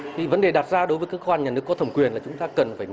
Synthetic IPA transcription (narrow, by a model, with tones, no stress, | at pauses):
t̪ʰi˨˩və˨˦nɗe˨˩ɗaː˨˩t̚zaː˧ɗo˨˦jvə˨˦kaː˨˦˥kːə˧wʔa˧nɲaː˨˩nɨ˦˥əkːɔ˨˦t̪ʰə˧˩wŋ͡mkwi˨˩ənlaː˨˩t͡ɕʊ˨˦ŋ͡mt̪aː˧kə˨˩nfaː˧˩